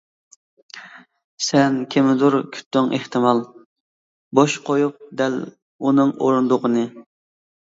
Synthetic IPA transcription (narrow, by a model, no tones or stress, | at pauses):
sɛnkʲʰemɪd̪uɾkʲʰy̥t̪ːyŋʔeht̪ɨmɑlˠ | boʃqʰojup̚d̪ɛl | unɨŋo̰ɾund̪ʊqənɨ